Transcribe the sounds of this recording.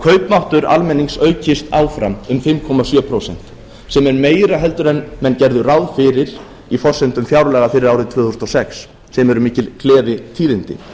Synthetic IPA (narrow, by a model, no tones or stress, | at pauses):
kʰœːɥpmawht̪ʏɾa̰lmɛnːiŋsœːɥcʰɪst̪aːwfɾamʏmfɪmkʰɔmasjœːpʰɾowsɛ̰n̥t̪ | sɛmɛɾmeːjɾaɦɛl̪t̪ʏɾɛnːmɛncɛɾðʏrawðfɪɾɪɾ̥ | ifɔr̥sɛnt̪ʏmfjawɾlɛːɣafɪɾɪɾaːwɾɪðt̪ʰv̥ʏːθust̪ɔsɛksː | ɛmɛɾʏmɪːcɪlkʰlɛːðɪt̪ʰiːðɪnt̪ɪ̰